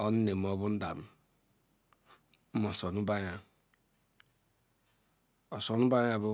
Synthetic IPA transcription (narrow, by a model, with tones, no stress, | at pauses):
ɔ˦n̩˦ne˨m̩˦ɔ˦bʊ˦n̩˦da˨m̩˦ | mɔ˨sɔ˨nu˦ba˦ɲa˦ | ɔ˨sɔ˨nʊ˦ba˦ja˦˨bʊ˦